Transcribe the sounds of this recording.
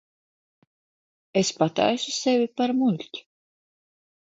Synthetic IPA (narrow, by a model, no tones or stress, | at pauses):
espat̪a̰jsusevʲipaɾmulʲt̪ʲ